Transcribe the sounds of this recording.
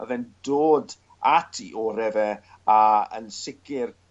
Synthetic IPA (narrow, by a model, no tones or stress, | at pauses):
ə̰vɛndoːd | atʰḭʔɔɾɛvɛ | aə̰nsɪkɪr